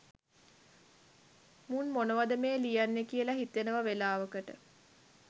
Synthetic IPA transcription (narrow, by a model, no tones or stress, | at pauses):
munmonəʋad̪əmeːlijanːekijəlaɦit̪ːenəʋaʋelaːʋəkəʈə